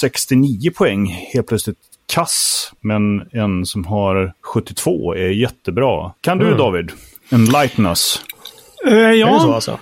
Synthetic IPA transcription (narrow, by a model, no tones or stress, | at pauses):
sɛkst̪ɪniːəpʰɔɛŋːheːl̚pʰlœt̪slɪt̪ | kʰːasmɛnɛnsɔmɦaɾɧɵt̪ːɪt̪ʰv̥o̰ːæɾjɛt̪ːəbɾɑ̰ːkʰand̪ɵd̪ɑːvɪd̪ | ɛnlajt̪nas | jɑ̰